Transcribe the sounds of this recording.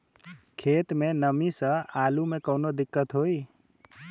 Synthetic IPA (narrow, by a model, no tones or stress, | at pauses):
kʰet̪menəmisə̃alumekəwnod̪ikːət̪ɦoj